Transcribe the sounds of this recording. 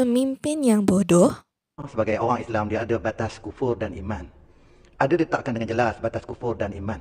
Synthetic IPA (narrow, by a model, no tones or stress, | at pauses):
əmimpɪnjaŋbodɔh | səbaɡajoɾaŋislamdiaːdabat̪askufʊrdaniman | adadit̪aʔkandəŋand͡ʒəlasbat̪askufʊrdanimãn